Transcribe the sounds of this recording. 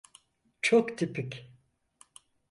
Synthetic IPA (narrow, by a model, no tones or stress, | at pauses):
t͡ʃʰokt̪ʰipʰikʲ